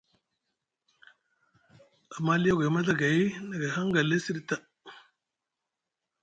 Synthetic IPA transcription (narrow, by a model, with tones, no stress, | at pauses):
a˨ma˦li˦ja˦ɡa˨ma˦ɮa˦ɡa˨i˦na˨ɡa˨ha˦ŋ˦ɡa˨le˦si˦ɾi˦ta˦